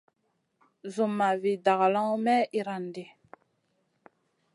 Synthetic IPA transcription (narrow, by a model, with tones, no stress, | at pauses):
zu˨mːa˨vi˨da˨ɣla˦ŋ˦mɛ˦i˨ɾa˨ndi˨